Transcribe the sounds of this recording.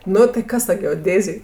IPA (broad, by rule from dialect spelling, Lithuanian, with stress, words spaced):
ˈnʊ tɐɪ ˈkɐs tɐ ɡʲɛoːˈdʲeːzʲeːj